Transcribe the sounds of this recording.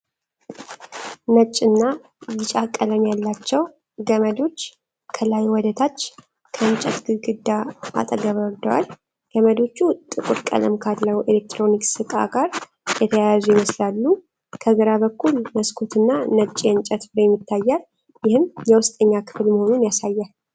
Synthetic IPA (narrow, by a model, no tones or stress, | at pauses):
nət͡ʃʼːɨnːa | jɪt͡ʃʼakʼːələmjalːat͡ʃːɛw | ɡəməd̪o̞t͡ʃː | kʰəlajwɔd̪ət̪ʰat͡ʃː | kʰəɨnt͡ʃʼɛt̪ɡɨɡɨd̪ːaa̰t̪ʼəɡəβəɾd̪əwa̰l | ɡ̥əməd̪o̞t͡ʃːut̪ʼɨkʼuɾkʼə̰lə̰mkʰalːəwelek̚t̪ʰɾo̞niksɨkʼa̰ɡaɾ | jɛt̪ʰəjajazujɪməslalːu | kʰəɡəɾaβəkʰːulməskʰot̪ʰɨnːanət͡ʃʼiɨnt͡ʃʼət̪bɨɾeɛmːɪt̪ʰːajːal | jɪhɨmjɛwʊst̪ʼəɲːakʰɨ̥flməho̞nunjasajːal